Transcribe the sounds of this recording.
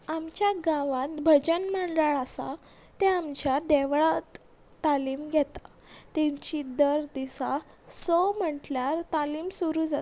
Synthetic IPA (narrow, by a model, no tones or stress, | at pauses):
amt͡ɕjaɡãʋat̪̚bʱəd͡ʑənməɳɖaɭasa̰ | t̪eamt͡ɕjad̪ɛʋɭa | t̪aliːmɡʱɛt̪ḁ | t̪ɛ̃ɲt͡ɕid̪əɾd̪isa | sɔm̤əʈljaɾt̪aliːmsuɾuːd͡zat̪